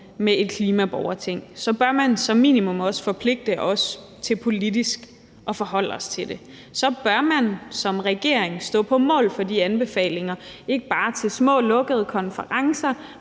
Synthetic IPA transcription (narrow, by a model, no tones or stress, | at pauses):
mee̝d̥̚kʰliːmæb̥ɒʊɐt͡sʰeŋ̰sɒ̽b̥ɶɐmænsɒ̽mːḭːnimɔ̽mɒ̽sfɒ̽pʰle̝ɡ̥̚d̥əʔɒ̽s | t͡sʰe̝lpʰo̝lid̥isɡ̥ | ʔɒ̽fɒ̽ɦɒ̽l̰ɒ̽st͡sʰe̝d̥e̝ | sɒ̽b̥ɶɐmænsɒ̽mʁɛɡ̥e̝ɐ̰e̝ŋsd̥ɔ̰̽ːpʰɒ̽mɔ̰̽ːlfɒ̽diænb̥e̝fɛ̰ːle̝ŋɐ | e̝ɡ̥əb̥ɑ̈ːt͡sʰe̝lsmɔ̰̽ːlɔ̽ɡ̥əð̞̩ˠkʰɒ̽nfəʁɑ̈ŋsɐ